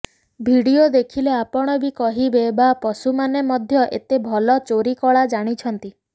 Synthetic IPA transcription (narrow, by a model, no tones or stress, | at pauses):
bʱiɽiod̪ekʰileapɔɽ̃ɔbikɔɦibebapɔsumanemɔd̪ʱjɔʔḛt̪ebʱɔlɔt͡ʃoɾikɔɭad͡ʒaɽ̃it͡ʃʰɔnt̪i